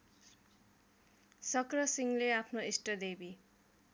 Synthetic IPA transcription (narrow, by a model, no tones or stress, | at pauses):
sʌkrʌsiŋleapʰnoesʈʌd̪ebi